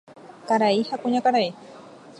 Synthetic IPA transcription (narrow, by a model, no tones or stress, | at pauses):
kaɾaihakuɲãkaɾai